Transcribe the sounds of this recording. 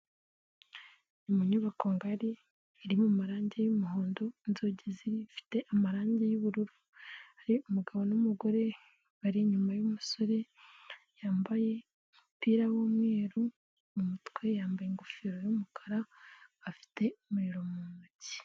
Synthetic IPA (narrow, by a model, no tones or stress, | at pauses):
nimuɲuβakoŋɡaɾiː | ɾimumaɾaːɲɟejumuɦoːndo̞nzo̞ːɟeziɾifi̥te̞ʔamaɾaːɲɟejuβuɾuɾu | haɾiumuɡaβo̞numuɡo̞ɾe̞ | βaɾiɲumajumuso̞ɾe̞ | jaːmbaje̞ | mupiːɾawomŋe̞ːɾu | mumutwe̞jaːmbajeŋɡofiɾo̞jumukʰḁɾaː | fi̥te̞umuɾiɾo̞munuci̥